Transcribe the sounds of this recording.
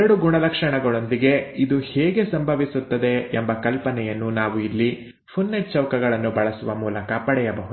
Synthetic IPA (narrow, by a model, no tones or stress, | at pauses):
ɾɐɽuɡuɳɐlɐkʂɐɳɐɡɐɭo̞nd̪iɡe̞id̪uheːɡe̞sɐmbʱɐʋisut̪ːɐd̪e̞ːmbɐkɐlpɐnɛjɐnːunaːʋuilːi | pʰunːeʈ̚t͡ʃɐwkɐɡɐɭɐnːubɐɭɐsuʋɐmuːlɐkɐpɐɽɛjɐbɐɦud̪u